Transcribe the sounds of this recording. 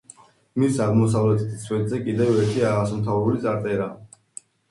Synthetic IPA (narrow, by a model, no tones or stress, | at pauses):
misaʁmɔs̬avlɛt̪ʰɛ̥t̪ʰsʰvwɛd̪zɛkʼid̪ɛvɛɾt̪ʰiaʁasɔmt̪ʰavɛbulit̪sʼaɾt̪ʼɛɾa